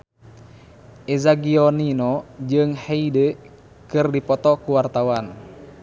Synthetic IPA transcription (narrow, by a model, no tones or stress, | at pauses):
ʔɛzaɡiɔninɔd͡ʒɨŋheidə | kɨrdipɔt̪ɔkuwart̪awan